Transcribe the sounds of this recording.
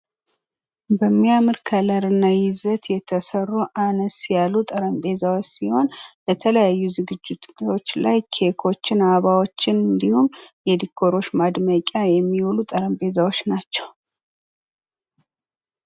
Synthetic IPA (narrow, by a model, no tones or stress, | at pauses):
bəmːijamɨɾkʰələɾɨnːajɪzət̪jɛt̪ʰːəsərːuʔanəsjalːut̪ʼəɾəmbe̞zawot͡ʃːsiho̞nbət̪ʰələjajːuzɨɡɨd͡ʒːɪt̪ot͡ʃːlajkʰe̞kʰo̞t͡ʃːɪnaβawo̞t͡ʃːɪnɨnd̪ihumjɛd̪ikʰːo̞ɾo̞ʃmad̪məkʼːajɛmːiwulut̪ʼəɾəmbe̞zawo̞t͡ʃːnat͡ʃːɛw